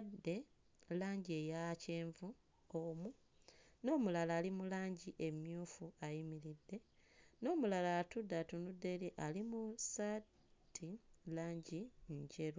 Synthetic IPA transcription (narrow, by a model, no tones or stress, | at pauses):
dːe̞ | laːɲɟiejaceːɱvu | omu | no̞ːmulalaːlimulaːɲɟiʔe̞mjuːfuajimiɾidːe̞ | no̞ːmulalaːtudatunudːe̞liʔalimusa | tʰːilaːɲɟiɲɟe̞ɾ